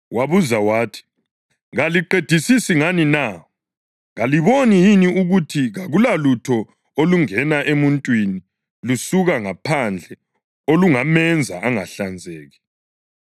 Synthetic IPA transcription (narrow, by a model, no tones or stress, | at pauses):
waβuzawaːtʰi̥ | ɣaliǃed̥ʱisisiŋanina | ɣaliβonijiniuɣutʰiɣaɣulalutʰɔ | oluŋɛnaʔemuntʼwini | lusuɣaŋapʰand͡ɮʱɛ | oluŋamɛnd͡zʱa̰ʔaŋaɬand͡zʱɛːɣɛ